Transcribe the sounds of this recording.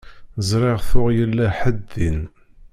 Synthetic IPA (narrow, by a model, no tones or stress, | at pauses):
zɾˤɪʁθʊʁjəlːæħəd̪ːin